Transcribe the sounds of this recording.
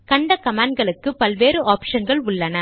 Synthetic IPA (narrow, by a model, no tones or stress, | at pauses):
kɐɳɖɐkɐmaːɳɖɡɐɭɯkːɯpɐlʋeːɾɯʔaːpʂɐnɡɐɭʊɭːɐnɐ